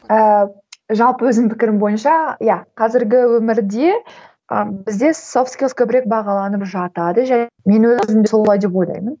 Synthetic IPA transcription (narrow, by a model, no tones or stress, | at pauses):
ə | ʒɑlˠpəwɵzd̪ɪmpʰɪkʲɪɾɪmbo̞jənʃɑjɑqʰɑzɪɾɡʲɪwɵmɪɾd̪e̞ | əbɪzd̪e̞sofskʲilˠkʲʰɵbɪɾe̞k̚bɑʁɑlˠɑnəpʒɑt̪ɑd̪əʒæme̞nwɵzzɪmd̪eo̞lˠɑjd̪e̞p̚o̞jld̪ɑ̰jmən